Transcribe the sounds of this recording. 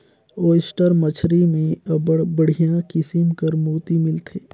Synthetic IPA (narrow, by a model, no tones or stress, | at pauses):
oːsʈəɾmət͡ʃʰɾimẽbbəɽ̤ijãkɪsɪmkəɾmuːt̪imɪlt̪ʰeː